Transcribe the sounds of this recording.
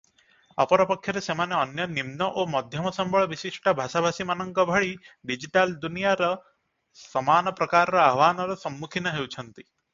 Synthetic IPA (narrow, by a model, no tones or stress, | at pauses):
ɔ̰pɔɾɔpɔkʰjɔɾesemaneɔnjɔnimnɔʔomɔd̪ʱjɔmɔsɔmbʱɔɭɔʋisiʂʈabʱaʃabʱasimanɔŋkɔbʱɔɭiɖid͡ʒiʈald̪unijaɾɔ | sɔmaːnɔpɾɔkaːɾɔɾɔaʋaːnɔɾɔsɔmːukʰinɔɦewt͡ʃʰɔnt̪i